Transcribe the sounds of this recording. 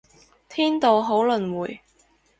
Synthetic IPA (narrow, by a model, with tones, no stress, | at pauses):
t̪ʰiː˥nt̪o˨wɦo˨˥wlɵ˨nwuː˨˩j